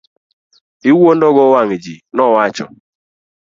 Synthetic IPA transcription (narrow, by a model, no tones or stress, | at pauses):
iwuon̩dɔɡɔwaŋid͡ʒinɔwat͡ʃɔ̰